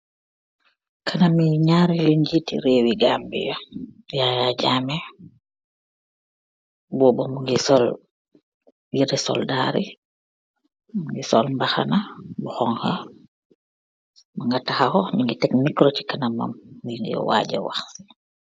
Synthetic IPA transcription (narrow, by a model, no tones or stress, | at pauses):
kʰanamiɲaɾiliɲd͡ʒitḭɾeːwiɡambḭjɔ | jajad͡ʒaːmɛ | bɔbɔmuŋɡisɔl | jidɛsɔ̰ldaːɾi | muŋɡisɔlmbaxa̰nabuxɔŋha | maŋɡatahahɔmiŋɡitɛkmikɾɔti̥kanama̰mːiŋḭjɔ̰wa̰ɟa̰wa̰xsi̥